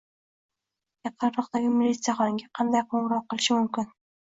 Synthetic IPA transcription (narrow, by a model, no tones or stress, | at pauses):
jɑt̪̚q̪ʰɑɾɾɒqt̪aɡʲɪmɪlʲit̪sɨjaχɒnɡʲaqʰɑnd̪ajqʰoɴɾɒq̚ːɨlˠɪʃɪmʊmkʲɪn